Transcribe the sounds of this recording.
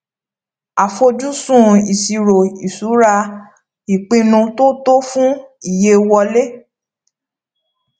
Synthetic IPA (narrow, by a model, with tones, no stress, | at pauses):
a˨fo˧d͡ʒu˦sũ˦˨i˨si˨ɾo˨i˨su˨˦ɾa˧ | i˨k͡pĩ˧nũ˧to˦to˦fũ˦i˦˨je˧wɔ˧le˦